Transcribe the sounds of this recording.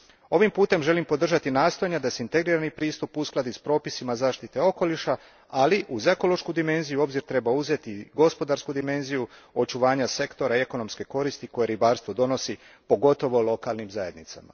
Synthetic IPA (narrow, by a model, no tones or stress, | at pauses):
o̞ʋimpuːt̪e̞mʒe̞limpo̞d̪r̩ʒat̪inaːst̪o̞jaɲad̪aseint̪e̞ɡɾiːɾanipɾiːst̪upusklˠad̪ispɾo̞ːpisimazaːʃt̪it̪e̞o̞ko̞liʃa | aliʔuze̞kolo̞ʃkud̪ime̞nzijuo̞bziɾt̪ɾe̞bauze̞t̪iɡo̞spo̞d̪aɾskud̪ime̞nzijuo̞t͡ʃuʋaːɲase̞kt̪o̞ɾaie̞ko̞no̞mske̞ko̞ɾist̪iko̞jeɾibaːɾst̪ʋo̞d̪o̞no̞si | po̞ɡo̞t̪o̞ʋo̞lˠo̞kaːlnimzaje̞d̪nit̪sa̰ma̰